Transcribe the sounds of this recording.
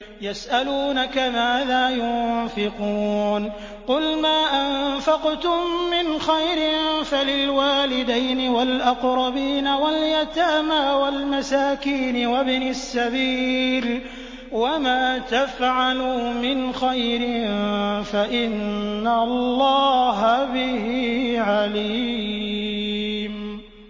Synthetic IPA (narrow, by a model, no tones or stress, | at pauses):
jasʔaluːnakamaːðaːjʊnfɪquːn | qʊlmaːʔanfɑqt̪ʊmːɪnxajɾɪnfalɪlwaːlɪd̪ajnɪwalʔɑqɾˤɑbiːnawaljat̪aːmaːwalmasaːkiːnɪwabnɪsːabiːl | wamaːt̪afʕaluːmɪnxajɾɪnfaʔɪnːallˤːɑːɦabɪhiːʕaliː | m